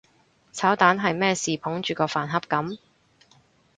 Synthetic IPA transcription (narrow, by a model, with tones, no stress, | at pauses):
t͡sʰaː˨˥wt̪aː˨˥nɦɐ˨jmɛː˥siː˨pʰʊ˨˥ŋt͡ʃyː˨kɔː˧faː˨˩nɦɐ˥p̚kɐ˨˥m